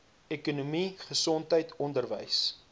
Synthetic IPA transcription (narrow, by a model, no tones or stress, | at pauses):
ɛkunumiχəsɔntəjtʰɔndərvəjs